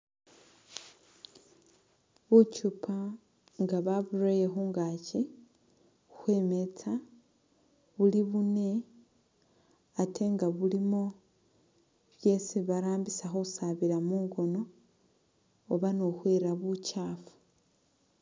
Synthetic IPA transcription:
βucupʰa | ŋɡaβaβuɾojexuŋɡaci | uxwe̞ːme̞t͡sa | βuliβune̞ | tʰe̞ŋɡaβulimo̞ | βje̞siβaɾaːmbisaxousaβiɾamuːŋɡo̞no̞ | βanoxweːɾaβucaːfu̥

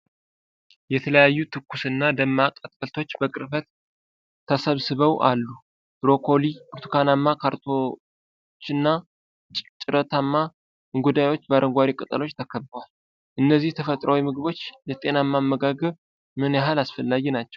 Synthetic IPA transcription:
jɛt̪ʰələjajːut̪ʰɨkʰːusɨnːad̪əmːakʼət̪ʼkəlt̪ʰo̞t͡ʃːbəkʼɨɾfət̪ʰː | əsəβsɨβəwʔa̰lːu | ɾo̞kʰo̞liuɾt̪ʰu̥kʰanamːakʰaɾt̪ʰo | t͡ʃːɨnːa | t͡ʃʼt͡ʃʼɪɾət̪ʰamːa | ɨɡud̪ajwo̞t͡ʃːbaɾʔəŋɡʷaɾikʼɨt̪ʼə̰lo̞t͡ʃːt̪ʰəkʰəbːəwal | ʔɨnːəzːiht̪ʰəfət̪ʼɾəwimɨɡɨβo̞t͡ʃːjɛt̪ʼe̞namːamːəɡaɡəβ | mɨnjaɦalasfəlːaɡɛnat͡ʃːɛw

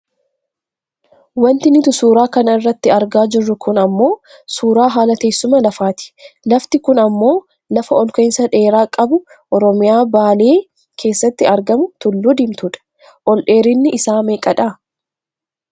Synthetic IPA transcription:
wɐnt̪ɪnɪt̪ʊsuːɾaːkɐnɐɪrːɐt̪ːɪɐɾɡaːd͡ʒɪrːʊkʊnɐmːo̞ː | suːɾaːɦaːlɐt̪e̞ːsːʊmɐlɐfaːt̪ɪ̥lɐft̪ɪkʊnɐmːo̞ː | lɐfɐɔlkɔɪnsɐᶑe̞ːɾaːkʼɐbʊ | ʔɔɾɔmɪjaːbaːle̞ː | kʰe̞ːsːɐt̪ːɪɐɾɡɐmʊt̪ʊlːʊd̪ɪmt̪ʊᶑɐ̥ | ʔɔlʔe̞ːɾɪnːɪʔɪsaːmeːkʼɐᶑaː

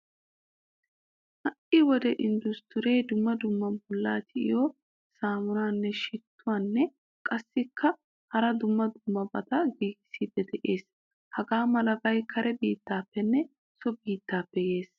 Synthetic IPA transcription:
hɐʔɪwɔd̪ɛʔɪnd̪ʊst̪ʊɾejd̪ʊmːɐd̪ʊmːɐnbɔlːa̰ːt̪ɪʔɪ̰jɔ | saːmʊnaːnːɛʃɪt̪ʰːʊwaːnːɛ | kʼɐsːɪkːɐ | hɐɾɐd̪ʊmːɐd̪ʊmːɐbɐ̰t̪ɐɡiːɡɪsiːd̪ɛd̪ɛʔeːs | hɐɡaːmɐlɐɡɐjkʰɐɾʔɛbiːt̪ːaːpːɛnːɛ | sɔbiːt̪ːaːpːɛje̞ːs

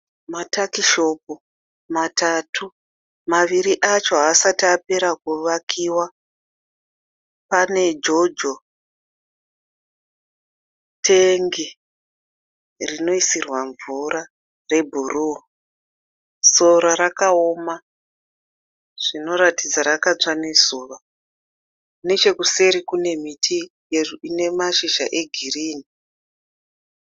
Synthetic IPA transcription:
matakiʃo̞p̚o | matatʰu | maʋiɾiʔat͡ʃo̞ɦaːsatiape̞ɾakuʋakʰiwa | pane̞d͡ʒo̞d͡ʒo | tʰeŋɡi | rino̞isirwaɱvuɾa | re̞bʱuruo | so̞ɾaɾakao̞ma | ʐ̥ino̞ɾatid͡zaɾakat͡sanesuːʋa | ne̞t͡ʃe̞kuse̞ɾikune̞mitʰijerine̞maʃiʒa̰ʔe̞ɡʱiriːni

